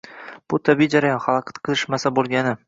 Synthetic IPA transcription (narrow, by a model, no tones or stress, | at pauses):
b̥ʊt̪ʰabid͡ʒaɾajɒnχɑlˠɑqʰɑ̥t̪qʰɨzɪʃmasabolˠɡʲanɪ